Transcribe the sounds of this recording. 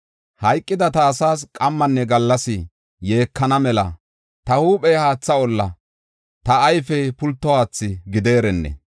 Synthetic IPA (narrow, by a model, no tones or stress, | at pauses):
hɐjkʼːɪd̪ɐt̪ɐːsaːs̬kʼɐmːɐnːɛɡɐlːɐsɪ | je̞ːkʰːɐnɐmɛlɐ̰ | t̪ɐhuːpʼɛjhaːt͡sːɐɔlːɐ | t̪ɐːjfɛpʊlt̪ːɔhaːt͡sːɪɡɪd̪e̞ːɾɛnːɛ̰